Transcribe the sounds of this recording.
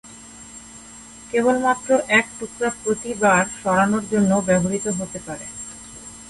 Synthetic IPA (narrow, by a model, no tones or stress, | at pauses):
kebolmat̪ːɾoʔɛk̚ʈukɾaɾpɾot̪ibaɾʃɔɾanoɾd͡ʑonːobɛbʱoɾit̪oɦot̪epaɾḛ